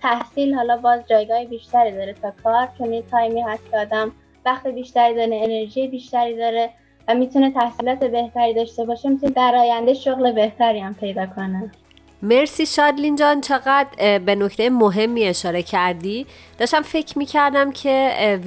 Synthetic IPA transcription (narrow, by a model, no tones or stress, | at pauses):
t̪ʰæhsiːlhɒːlɒːbɒːzd͡ʒɒːjɡɒːhebiːʃt̪æɾiːd̪ɒːɾet̪ʰɒːkʰɒːɾkʰenit̪ʰɒːjmiːhæst̪cʰeɒːd̪æm | væχt̪ebiːʃt̪æɾiːd̪ɒɾneene̞ɾʒijebiːʃt̪æɾiːd̪ɒːɾe | væmit̪ʰune̞t̪ʰæhsiːlɒːt̪ʰe̞be̞ht̪ʰæɾiːd̪ɒːʃt̪e̞bɒːʃe̞mit̪uned̪æɾɒːjænd̪eʃoɣle̞be̞ht̪ʰæɾiːæmpʰe̞jd̪ɒːkʰo̞ne | me̞ɾsiːʃɒd̪lind͡ʒɒnt͡ʃʰeɣæd̪be̞nocʰt̪ejemoɦe̞mːie̞ʃɒːɾe̞cʰæɾd̪iː | d̪̥ɒːʃt̪æmfe̞cʰmiːcʰæɾd̪æmcʰe̞